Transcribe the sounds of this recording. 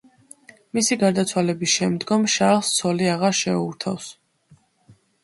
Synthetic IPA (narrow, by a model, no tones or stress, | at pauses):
misiɡaɾd̪at̪sʰwalɛbisʃɛmd̪ɡɔmʃalˠst̪sʰɔliaʁaɾʃɛ̰uɾt̪ʰa̰fs